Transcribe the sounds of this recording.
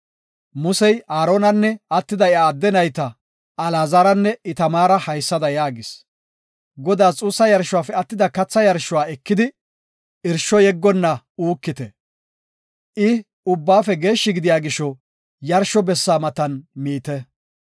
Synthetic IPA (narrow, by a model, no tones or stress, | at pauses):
mʊsɛjaːɾoːnɐnːɛɐt̪ːɪd̪ɐjaːd̪ːɛnɐjt̪ɐ | ɐlaːzaːɾɐnːɛʔɪt̪ɐmaːɾɐhɐjsːɐd̪ɐjaːɡɪs | ɡɔd̪aːt͡sʼuːsːɐjɐɾʃʊwaːfɛɐt̪ːɪd̪ɐkɐt͡sːɐjɐɾʃʊwaːɛkːɪd̪ɪ | ɪɾʃɔjɛɡːɔnːɐ | uːkːɪt̪ɛ | ʔɪ | ʊbːaːfɛɡe̞ːʃːɪɡɪd̪ɪjaːɡɪʃːɔ | jɐɾʃɔbɛsːaːmɐt̪ɐnmiːt̪ɛ